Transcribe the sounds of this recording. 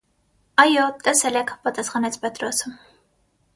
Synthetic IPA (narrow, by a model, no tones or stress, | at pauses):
ɑjɔt̪ʼɛsɛlɛkʰpɑt̪ɑsχɑnɛt͡sʰpɛt̪ɾɔsəm